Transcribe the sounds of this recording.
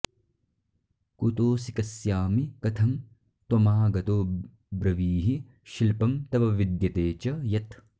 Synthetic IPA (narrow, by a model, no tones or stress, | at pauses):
kut̪oːsikɐsjaːmikɐt̪ʰɐm | t̪omaːɡɐt̪oː | bɾɐʋiːɦi | ʃilpɐmt̪ɐbɐʋid̪jɐt̪eːt͡ʃɐjɐt̪